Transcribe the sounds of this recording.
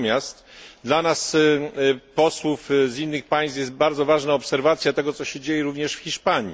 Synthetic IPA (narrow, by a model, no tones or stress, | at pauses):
mʲjast̪d̪lanas | pɔswufzinːɘxpaj̃st̪jɛst̪̚baɾd̪zɔvaʐnaɔpsɛɾvat̪sʲjat̪ɛɡɔt̪sɔɕɛd͡ʑejɛɾuvɲɛʂfxʲiʂpaɲi